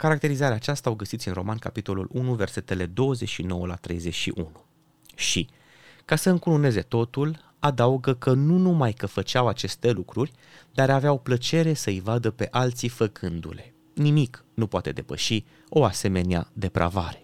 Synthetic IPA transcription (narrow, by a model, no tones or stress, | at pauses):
kaɾak̚t̪e̞ɾizaɾeaːt͡ʃast̪aoɡəsit̪sʲinro̞mankapit̪o̞lṵlʔunuve̞rse̞t̪e̞le̞d̪o̞wəze̞t͡ʃʲʃino̞wəlat̪ɾe̞̰jze̞t͡ʃʲʃḭʔunu | ʃi | kasəɨŋkulune̞ze̞t̪o̞t̪ul | ad̪auɡəkənunumajkəfət͡ʃawat͡ʃe̞st̪e̞lukɾurʲ | d̪aɾaveawplət͡ʃe̞ɾe̞səɨjvad̪əpe̞ʔalt̪sifəkʰɨnd̪ṵle̞ | nimiknupoat̪e̞d̪e̞pə̰ʃi | o̞ase̞me̞nea̰d̪e̞pɾʔa̰vaɾe̞̥